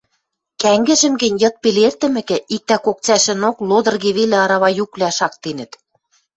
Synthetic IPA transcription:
kæŋɡɘ̆ʒɘ̆mɡɘ̆nʲjɤ̆t̪̚pelert̪ɘ̆mɘ̆kɘ̆ʔik̚t̪ækok̚t͡sæʃɘ̆noklod̪ɤ̆rɣeβelĕɑɾɑβɑjuklæʃɑk̚t̪enɘ̆t̪

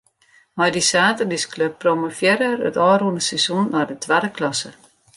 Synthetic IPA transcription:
mɔjdisaːtərniskløpːromofjɪɾərə̰tɑːɾundəsɛsunnɔːdətʰʋɛdəklɑsə

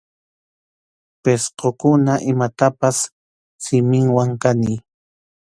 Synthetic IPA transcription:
pesqokʊnaʔɪmat̪apas | sɪmɪŋwaŋkani

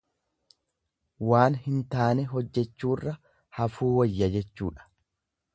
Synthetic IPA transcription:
waːnhɪnt̪aːnɛɦɔd͡ʒːɛt͡ʃːuːrːɐ | hɐfuːwɐjːɐd͡ʒɛt͡ʃːuːᶑɐ̥

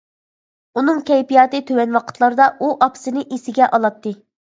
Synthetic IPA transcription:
unɨŋkʲʰɛjpijɑːt̪ɨt̪ʰøwɛnwɑqʰə̥t̪ʰlˠɑɾd̪ɑʔuʔɑpsɨnɨʔesɪɡʲɛʔɑlˠɑt̪ʰːɨ

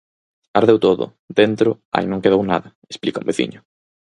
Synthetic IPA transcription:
aɾðewt̪oðʊ̰ | d̪ent̪ɾʊ | a̰jnõŋkeðowna̰ðɐ | esplikaʊ̰mbeθḭɲʊ

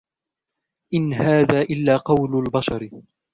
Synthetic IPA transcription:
ʔɪnhaːðaːʔɪlːaːqɑwlʊlbɑʃɑɾ

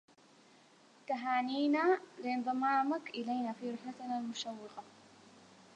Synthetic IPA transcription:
t̪aɦaːniːnalɪʔɨnðˤɨmaːmakʔɪlajnafiːɾɪħat̪nalmʊʃawːɪqɑ

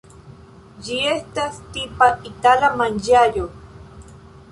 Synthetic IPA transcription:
jiest̪ast̪ipait̪aɾamand͡ʒajo

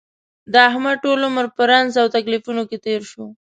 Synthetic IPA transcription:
d̪əaɦmaʈoloməɾpəɾanzawt̪aklifunoket̪eɾʃo

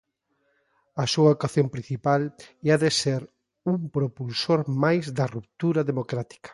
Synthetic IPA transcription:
ɐsuɐokaθjompɾĩn̟θipaleaðeseɾ | umpɾopulsoɾmajzd̪ɐrup̚t̪uɾɐðemokɾat̪i̥kɐ̥

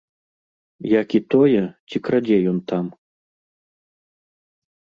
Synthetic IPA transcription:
jakit̪ɔjɛt͡sʲikɾad͡zʲɛjɔnt̪am

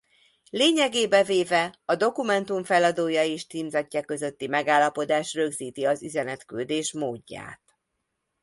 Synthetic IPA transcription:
leːɲɛɡeːbɛveːvɛɒd̪o̞kumɛnt̪uɱfɛlɒd̪oːjɒeːʃt̪iːmzɒcːɒkø̞zø̞t̪ːimɛɡaːlːɒpo̞d̪aːʃrø̞ɡziːt̪iɒzyzɛnɛt̪kyld̪eːʃmoːɟːa̰ːt̪

